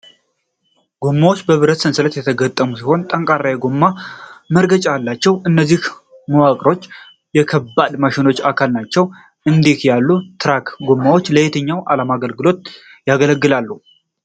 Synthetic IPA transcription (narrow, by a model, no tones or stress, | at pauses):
ɡumːawo̞t͡ʃːbəβɨɾət̪sɨnsɨlət̪jɛt̪ʰəɡət̪ʼːəmusiho̞nt̪ʼəŋkʼarːajɛɡumːaməɾɡət͡ʃʼajalːat͡ʃːɛwɨnːəzːih | məwakʼɾo̞t͡ʃː | jɛkʰəbːad̪maʃɪno̞t͡ʃːakʰalnat͡ʃːɛw | ʔɨnd̪ikjalːut̪ʰɨɾakɡumːawot͡ʃːləjet̪ʰəɲːawʔa̰lamaɡəlɡɨlo̞t̪̚ | jaɡələɡːɨlalːu